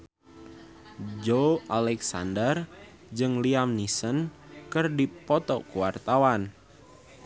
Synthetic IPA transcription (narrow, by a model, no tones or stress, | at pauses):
d͡ʒoʔalɛksa̰ndər | d͡ʒɨŋliamnisənkərdipɔt̪ɔkuwart̪awan